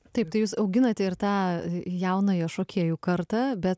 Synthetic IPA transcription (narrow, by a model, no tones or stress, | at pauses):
t̪ɐɪp̚t̪ɐɪjuːsɐʊɡʲɪnɐt̪ʲɛɪrt̪ɑːjɛʊnɐɪɐʃoːkʲʰeɛjuːkɐɾt̪ɑːbʲɛt̪